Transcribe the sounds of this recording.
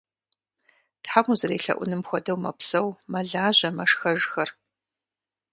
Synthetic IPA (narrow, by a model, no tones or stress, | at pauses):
tħamuzɨɾeːɬɐ̰ʔʷʊ̰nɨmxʷɔdɐwmɐ̰psɐwmɐɮaːʑɐmɐʂxɐʒxɐr